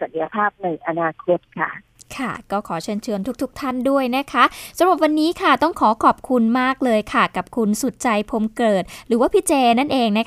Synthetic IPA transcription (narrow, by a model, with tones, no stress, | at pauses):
sa˨˩t̪̚ja˧pʰaː˥˩p̚na˧jʔa˧naː˧kʰo˧˥t̪̚kʰa̰˥˩ | kʰa˥˩kɔː˥˩kʰɔː˩˦t͡ɕʰɯ˧nt͡ɕʰɯ˧ənt̪ʰu˦˥k̚t̪ʰu˦˥k̚t̪ʰa˥˩ndu˥˩əjna˦˥kʰa˦˥ʔsa˧ɾa˨˩p̚wa˧nːiː˦˥kʰa˥˩t̪ɔ˥˩ŋkʰɔː˩˦kʰɔː˨˩p̚kʰu˧nmaː˥˩k̚lɤː˧jkʰa˥˩ka˨˩p̚kʰu˧nsu˨˩t̪̚t͡ɕa˧jpʰo˧mkɤː˨˩t̪̚ɾɯː˩˦waː˥˩pʰi˦˥t̪t͡ɕɛː˧na˥˩nʔeː˧ŋna˦˥k